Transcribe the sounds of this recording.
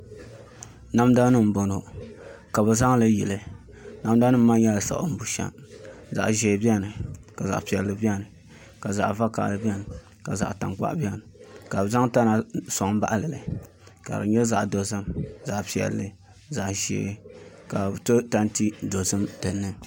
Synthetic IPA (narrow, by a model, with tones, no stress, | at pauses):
na˦mda˦nɨ˦m̩˨bo˨no˨ | ka˨bɨ˨za˦ŋ˦lɨ˦jɛ˨lɨ˨ | na˨m˦da˦ɨ˦m̩˦ma˦jɛ˦la˨sa̰˨ʔʊ̰˨˦m̩˦bu˨ʃa̰˨mza̰˨ʔʒɛ˨bi˦ɛ˦nɨ˨ka˨za̰˨ʔpi˨ɛ˨lːɨ˨bʲi˦ɛ˦nɨ˨ | ka˨za̰˨ʔva˦ka̰˨ʔlɨ˨bi˦ɛ˦nɨ˨ | ka˨za̰˨ʔta˨ŋk͡pa̰˦ʔbɛ˦nɨ˨ka˨bza˦ŋta˦na˨so˨ŋ˦ba̰˦ʔlɨ˨lɨ˨ | ka̰˨ɾɨ̰˨ɲɛ˦za˨ʔdo˨zɨ˦mza˨ʔpi˨ɛ̰˨lːɨ˦ | za˨ʔʒɛ̰˨˦ | ka˨to˦ta˦n˦ti˦do˨zɨ˦mtɨ˨nːɨ˦